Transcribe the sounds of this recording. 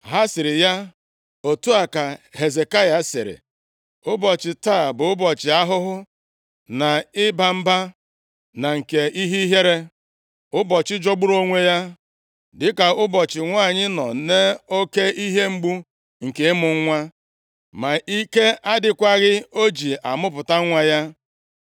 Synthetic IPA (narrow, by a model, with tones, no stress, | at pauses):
ɦa˦sɪ˨ɾɪ˨ja˦ | o˨tu˦a˨ka˨ɦe˨ze˨ka˦ja˨˦sɪ˨ɾɪ̰˨ | ʊ˦bɔ˨t͡ʃɪ˨taː˦˨bʊ˨ʊ˦bɔ˨t͡ʃɪ˨a˦ɦʊ˦ɦʊ˦ | na˨ɪ˦ba˨m̩˦ba˦ | na˨ŋ̩˨ke˨i˦ɦi˦ɦe˦ɾe˦ | ʊ˦bɔ˨t͡ʃɪ˦d͡ʒo˦ɡ͡bu˦ɾo˦ŋʷe˦ja˦ | dɪ˦ka˨ʊ˦bɔ˨t͡ʃɪ˨ŋʷa˦˨ɲɪ˦nɔ˨ne˦o˦ke˦i˦ɦe˦ŋ͡m̩˦ɡ͡bu˦ | ŋ̩˨ke˨ɪ˦mʊ˨ŋ̩˦ŋʷa˦ | ma˨ʔi˦ke˦a˦dɪ˨kʷa˦ɣɪ˦o˦d͡ʒi˨ʔa˨mʊ˦pʊ˨ta˦ŋʷa˦ja˦